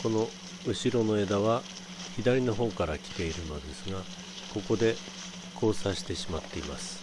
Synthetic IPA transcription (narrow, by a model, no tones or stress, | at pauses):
ko̞no̞ | ɯ̟ɕiɾo̞no̞e̞d̪aβa | çid̪aɾʲino̞ɦõ̞ŋkaɾakʲi̥t̪e̞iɾɯ̟no̞d̪e̞sɨɡa | ko̞ko̞d̪e̞ | kʰo̞ːsaɕi̥t̪e̞ɕimat̪ːe̞imasɨ̥